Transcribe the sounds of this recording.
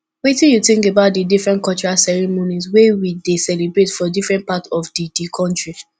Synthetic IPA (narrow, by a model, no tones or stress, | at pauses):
wetĩnjutĩŋkebaʊt̚didifɹɛ̃nkɔlt͡ʃɔɹasɛɹimonizwewidesɛlebɹetfɔdifɹɛ̃nt̚patɔfdidikʰɔ̃ntɹi